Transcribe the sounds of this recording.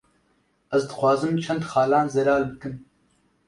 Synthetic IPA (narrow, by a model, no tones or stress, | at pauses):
ɐzd̪ɨxʷwɑːzɨmt͡ʃʰɐnd̪xɑːlaːnzɛlaːlbɨkɨn